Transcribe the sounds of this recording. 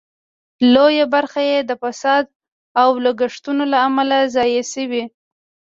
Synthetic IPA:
lojabaɾxajed̪əfasɑd̪̚ | awloɡaʂt̪unolaːmalazɑjesəwi

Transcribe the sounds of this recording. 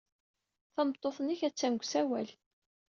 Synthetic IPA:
θəmt̪ˤːoθˤnːiçæt͡sːænɡʷsæwæl

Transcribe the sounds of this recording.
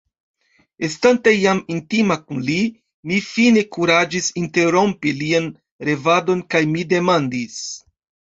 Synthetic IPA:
estantejamintimakunli | mifine̞kuɾad͡ʒisinte̞ɾo̞mpilian | ɾe̞vado̞nkajmide̞mandis

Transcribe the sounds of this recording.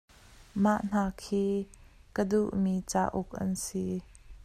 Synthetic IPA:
maʔn̥aːkʰiːkəduʔmit͡sa̰ʔʊk̚ʔɐ̰nsi

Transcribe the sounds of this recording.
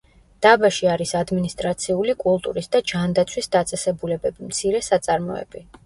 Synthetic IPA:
d̪̥abaʃiaɾisad̪minist̪ʼɾat̪sʰiulikʼulˠt̪ʼṵɾisd̪ad͡ʒand̪at̪sʰwisd̪at̪sʼɛsɛbulɛbɛbimt̪sʰiɾɛsat̪sʼaɾmɔɛ̰bi

